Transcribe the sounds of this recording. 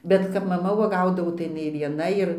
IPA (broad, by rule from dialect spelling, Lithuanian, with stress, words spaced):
bʲɛt kɐp mɐˈmɐ uɔˈɡɐʊdɐʋoː tɐɪ jɪˈnɐɪ ʋʲiɛˈnɐ ɪr